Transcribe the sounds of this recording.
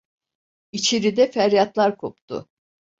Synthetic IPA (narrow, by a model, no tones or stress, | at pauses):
it͡ʃʰeɾid̪ɛfæɾjat̪lˠaɾkʰopt̪ʰʊ̰